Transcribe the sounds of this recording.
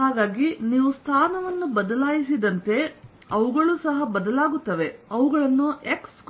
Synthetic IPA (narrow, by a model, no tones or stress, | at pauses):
aːɡaːɡiniːʋust̪ʰaːnɐʋɐnːubɐd̪ɐlaːjis̬id̪ɐnt̪e̞ | ɐʋuɡɐɭuːsɐɦɐbɐd̪ɐlaːɡut̪ːɐʋe̞ɐʋuɡɐɭɐnːueksk